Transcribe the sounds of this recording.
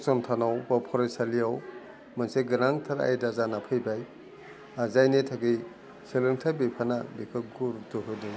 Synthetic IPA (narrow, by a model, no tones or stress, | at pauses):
sɔmtʰanawbapʰɔɾesaliaw | manseɡɯnaŋtʰaɾa̰jdazanapʰɯjbaj | azajnetʰaɡij | sʰelɯŋtʰabipʰanabikʰɯɡuɾdɯɦɯdɯj